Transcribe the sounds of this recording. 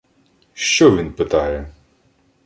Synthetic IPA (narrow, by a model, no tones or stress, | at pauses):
ʃt͡ʃɔʋʲinpɪt̪ɑjɛ